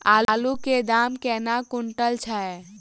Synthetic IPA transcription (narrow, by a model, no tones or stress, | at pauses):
aːluked̪aːmkɛːnakʊɳʈəlt͡ʃʰa